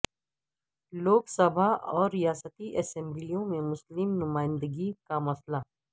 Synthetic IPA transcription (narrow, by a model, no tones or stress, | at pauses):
loːksəbʱaɔːɾːijaːsət̪iʔɐsɛ̃mblijõmẽmʊslɪmnʊmaːɪ̃nd̪əɡikamɐsla